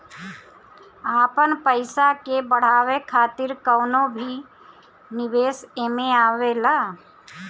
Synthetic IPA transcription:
aːpənpəɪsakebəɽ̤aːʋekʰaːt̪ɪɾkəːnõbʱi | nɪʋeːseːmẽaːʋelaː

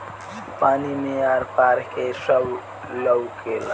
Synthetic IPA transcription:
paːnimijaːɾpaːɾkesəw | ləwkela

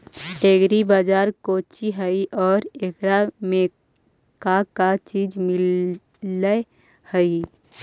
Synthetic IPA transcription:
ʈeɡɾibad͡ʒaːɾkoːt͡ʃiɦəiʔɔːɾekɾame | kakat͡ʃiːd͡ʒmɪl | lə | həi

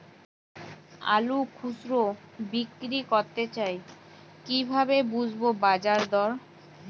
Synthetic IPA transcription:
a̰lukʰusɾo | bikːɾikoɾt̪et͡ɕaj | kibʱabebud͡ʑʱbobad͡ʑaɾd̪ɔɾ

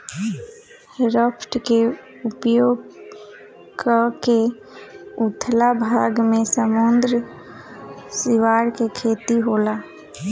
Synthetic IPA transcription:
hɾəpʰʈke | ʊpjoːɡ | kəke | ʊt̪ʰlabʱaːɡmẽsəmund̪ɾə | sɪʋaːɾkekʰeːt̪iɦoːla

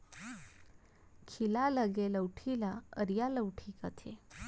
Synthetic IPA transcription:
kʰilaləɡeləwʈʰilaəɾjaləwʈʰikat̪ʰe

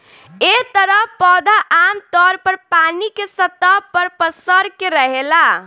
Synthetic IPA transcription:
et̪əɾəpɔd̪aʔamt̪ɔɾpəɾpanikesət̪əpəɾpəsəɾkeɾəɦela

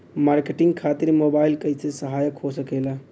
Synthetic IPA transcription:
maɾkeʈiŋɡ̚kʰat̪iɾmobaːilkəɪsesəɦaːjəkɦosəkela

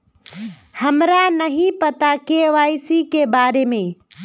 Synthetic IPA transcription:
həmɾanəɦĩpət̪akeʋaːjsikebaːɾemẽ

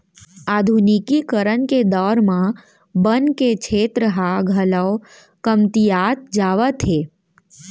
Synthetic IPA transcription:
ad̪ʱunikikəɾənked̪ɔːɾmã | bənket͡ʃʰet̪ɾəɦaɡʱələw | kəmt̪ijat̪̚d͡ʒaʋət̪ʰɦe

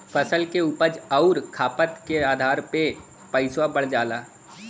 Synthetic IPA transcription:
fəsəlkeuːpəd͡ʒɐʊɾkʰaːpət̪keaːd̪ʱaːɾpe | pəɪswabəɽ̤d͡ʒaːlaː

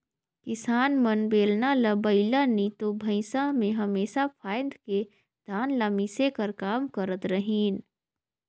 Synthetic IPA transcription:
kɪsaːnmənbeːlnaləbəɪlanit̪obʱəɪsamẽɦɐmeːsapʰaːjd̪ke | d̪̥ʱaːnlamisekəɾkaːmkəɾət̪ɾəɦiːn

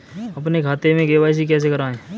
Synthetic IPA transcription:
ɐpnekʰaːt̪emẽɡeːʋaːis̬ik̬ɛːs̬ekəɾaːẽː

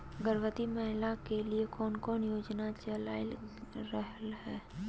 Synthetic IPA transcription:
ɡəɾʋət̪imɛɦlakeliekɔːnkɔːnjoːd͡ʒnat͡ʃəlaːɪlɾəɦəlhɛː

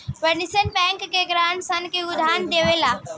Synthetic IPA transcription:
ʋɐɾnisənpɛ̃ːŋkːeɡɾaːnsɐnkeʊd̪ʱaːnd̪eːʋelaː

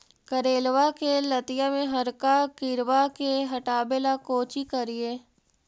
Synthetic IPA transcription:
kəɾeːlwakelɐt̪ɪjamẽɦɐɾkakɪɾwakeɦɐʈaːbelakoːt͡ʃikɐɾieː

